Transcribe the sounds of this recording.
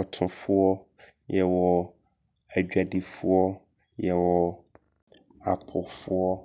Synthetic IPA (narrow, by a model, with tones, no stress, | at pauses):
ɔ˨tʰʊ̃˨fʊ˦wɔ˦ | jɛ˨wɔ˨ | a˨d͡ʑᶣa˨di˨fu˦ɔ˦ | jɛ˨wɔ˨ | a˨pʰʊ˨fʊ˦ɔ˦